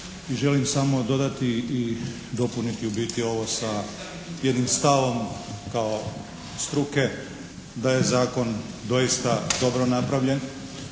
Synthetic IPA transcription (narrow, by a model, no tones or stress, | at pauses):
iʒe̞limsamo̞d̪o̞d̪at̪iː | d̪o̞punit̪iubiːt̪io̞ʋo̞sa | je̞d̪nimst̪aʋo̞mkao | st̪ɾuke̞ | d̪aje̞zaːko̞nd̪o̞jist̪ad̪o̞bɾo̞napɾaʋʎe̞n